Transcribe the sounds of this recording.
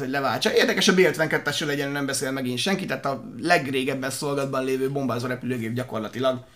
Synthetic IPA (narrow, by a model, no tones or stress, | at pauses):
oɟʲlɛvaːlt͡ʃɒeːrd̪ɛkɛʃɒbeːlɛt̪ʋɛŋkɛt̪ːɛʃøːlɛɟɛnnɛmbɛseːlmɛɡinʃɛŋkit̪ɛɦːt̪ɒ | lɛɡreːɡɛbːɛnso̞lɡɒd̪̚bɒnleːvøːbo̞mbaːzoːɾɛpyløːɡeːb̚ɟɒko̞rlɒt̪ilɒɡ